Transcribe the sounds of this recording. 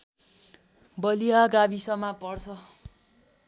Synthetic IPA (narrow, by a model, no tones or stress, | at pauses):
bʌlijaɡabisʌmapʌrt͡sʰʌ